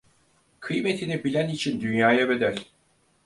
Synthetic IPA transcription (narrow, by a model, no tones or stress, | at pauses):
kʰɯjme̞t̪ʰinibilʲænit͡ʃʰind̪ynjaːjaved̪æɾ̥